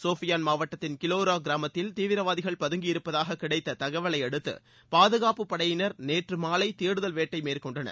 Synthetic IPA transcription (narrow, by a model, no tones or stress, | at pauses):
soːfɪjaːnmaːʋɐʈːɐt̪ːɪnkɪloːɾaːɡɪɾaːmɐt̪ːɪlt̪iːʋɪɾɐʋaːðɪɣɐɭpɐðɯŋɡɪɪɾɯpːɐðaːɣɐkːɪɽɐɪt̪ːɐt̪ɐɣɐʋɐɭɐɪɛɽɯt̪ːɯ̰ | paːðɯɣaːpɯpːɐɽɐjɪnɐɾneːʈrɯmaːlɐɪt̪eːɽɯðɐlʋeːʈːɐɪmeːɾkɔɳɖɐnɐ̰ɾ